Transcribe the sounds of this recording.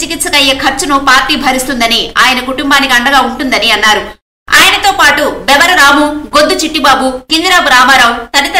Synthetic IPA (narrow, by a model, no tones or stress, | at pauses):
t͡ʃikit̪sɐkɐjːekʰɐɾt͡ʃːunupaːɾʈiːbʱɐɾist̪und̪ɐniaːjɐnɐkuʈumbaːnikiɐɳɖɐɡaːuɳʈund̪ɐniɐnːaːɾu | a̰ːjɐnɐt̪o̞ːpaːʈubɛbɐɾɐɾaːmuɡod̪ːut͡ʃiʈːibaːbukind̪ɐɾaːbuɾaːmaːɾaːwt̪ɐɽit̪ɐ